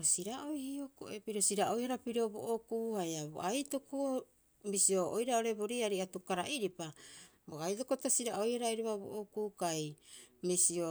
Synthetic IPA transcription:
osiɾaʔojhioko̰epiɾosiɾao̞jhaɾapiɾo̞bo̰ʔokuːhajaβo̰ʔajto̞koo | misio̞ojɾao̞ɾe̞boɾiaɾiatukaɾaʔiɾipa | boajt̬o̞kotasiɾao̞jhaɾaiɾuβabo̰ʔokuːkajmisio̞

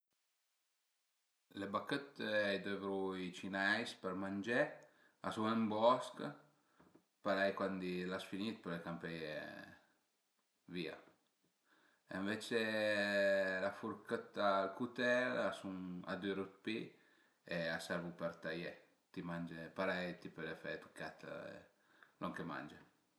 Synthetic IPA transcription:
lebakət̪ajd̪evɾuit͡ʃinajspəɾmand͡ʒe | a̰suŋembɔsk | paɾajkwand̪ilasfinit̪̚pəɾɛjkampɛje | via̰ | eɱvet͡ʃe | lafuɾkət̪alkut̪ɛɾasuna̰d̪uɾut̪̚pi | easaɾvupɛɾt̪aje | t̪imand͡ʒepaɾajt̪ipəɾefɛt̪u̥kːat̪ | lɔŋkema̰nd͡ʒe

